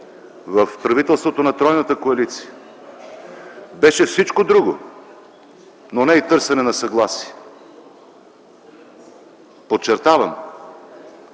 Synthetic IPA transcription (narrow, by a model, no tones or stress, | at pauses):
vəfpɾɐvit̪ɛlˠst̪vot̪onɐt̪ɾɔjnət̪əkoɐlit̪si̥ə | bɛʃɛfsit͡ʃkod̪ɾuɡo | nonɛit̪ɤɾsɛnɛnɐsɐɡlˠasiɛ | pot̪̚t͡ʃːɛɾt̪avɐm